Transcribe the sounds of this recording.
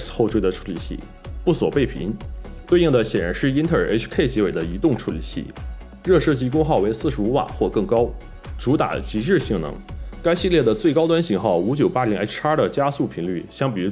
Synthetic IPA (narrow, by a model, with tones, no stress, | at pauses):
sxo˥˧ʊʈ͡ʂʰwe˥ɪd̪ə˨˧ʈ͡ʂʰu̥˧˥lḭ˨˩ɕḭ˥˩ | pu˥˩swɔ˨˩pe˥˩ɪpʰḭ˧˥ŋt̪we˥˧ɪi˥˩ŋd̪ə˩ɕjɛ˨˩nɻa˧˥nʂɻ̩˥˩i˥nt̪ʰə˥˩˨ʔḛ˥ʈ͡ʂʰkʰe˥˩ɪt͡ɕi˧˥we˨˩ɪd̪ə˦i˧˥t̪ʊ˥˩ŋʈ͡ʂʰu˧˥lḭ˨˩ɕḭ˥˩ | ɻɤ˥˧ʂɤ˥˧t͡ɕi˥˧kʊ˥ŋxɑ˥˩ʊwe˧˥ɪsɹ̩˥˩ʂɻ̩˧˥u˧˥wa̰˨˩xwɔ˥˧kɤ˥˩ŋkɑ˥ʊ | ʈ͡ʂu˧˥t̪a̰˨˩t͡ɕi˧˥ʂɻ̩˥˧ɕi˥˩ŋnɤ̰˧˥ŋka˥ɪɕi˥˧ljɛ˥˩d̪ə˩t͡swe˥˩ɪkɑ˥ʊwa˥nɕi˧˥ŋxɑ˥˩ʊu˧˥t͡ɕjo˨˩ʊpa˥li˧˥ŋe˥ʈ͡ʂʰa˥d̪ə˨t͡ɕja˥su˥˩pʰi˧˥ŋly̰˥˩ɕjɑ˥ŋp̬i˨˩ɻu˧˥